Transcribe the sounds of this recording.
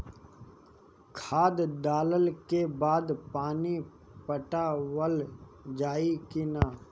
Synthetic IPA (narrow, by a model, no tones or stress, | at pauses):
kʰaːd̪d̪aːləlkebaːd̪paːni | pəʈawəld͡ʒaːikinaː